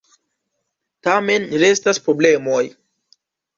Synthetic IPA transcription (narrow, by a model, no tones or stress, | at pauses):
tame̞nɾe̞staspɾo̞ble̞mo̞j